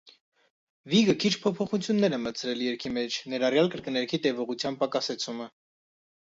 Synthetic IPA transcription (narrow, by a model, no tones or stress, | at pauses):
viɡəkʰit͡ʃʰpʰɔpʰɔχut͡sʰjunːɛɾɛmət͡sʰɾɛljɛɾkʰimɛt͡ʃʰnɛɾɑrjɑlkəɾkənɛɾkʰit̪ɛvɔʁut͡sʰjɑmb̚pɑkɑsɛt͡sʰumə